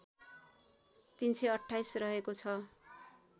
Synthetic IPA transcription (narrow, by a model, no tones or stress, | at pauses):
t̪insʌjʌʈʰːajsrʌɦekot͡sʰʌ